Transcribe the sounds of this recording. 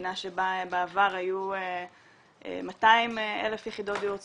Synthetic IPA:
naʃebabeavaʁajue | ḛmataimele̞fjeχid̪o̞tajut

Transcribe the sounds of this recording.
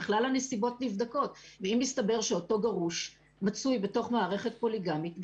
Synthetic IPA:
χlalhanesibo̞tnifd̪ako̞tveimːist̪abe̞ʁʃeoto̞ɡaʁuʃ | mat͡sujbe̞to̞χmaːʁe̞χe̞t̚po̞liɡamit

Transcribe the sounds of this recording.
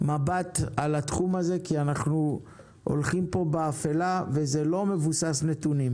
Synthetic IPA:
mabat̪alat̪χumaze̞kianaχnu | ʔo̰lχimpo̞beːfelavezelo̞me̞vusasne̞t̪unim

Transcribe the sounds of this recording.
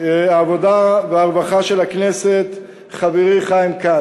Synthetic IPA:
aːvo̞daveaʁbaχaʃelakneset̪ | χaveʁiχajimka

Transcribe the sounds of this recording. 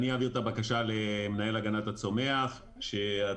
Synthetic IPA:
niaviʁt̪abakaʃalemenae̞laɡanatat͡so̞me̞aχ | ʃea

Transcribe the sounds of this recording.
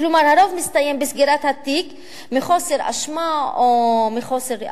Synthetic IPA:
klomaɾhaɾovmist̪ajembesɡiɾat̪hat̪ik | miχo̞seɾa̰ʃmaomiχo̞seɾ

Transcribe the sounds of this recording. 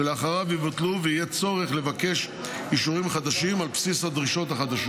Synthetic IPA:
eleaχaʁavivat̪luveijet͡so̞ʁe̞χle̞vake̞ʃ | iʃuʁimχad̪aʃimalpsishad̪ʁiʃo̞t̪haχad̪aʃ

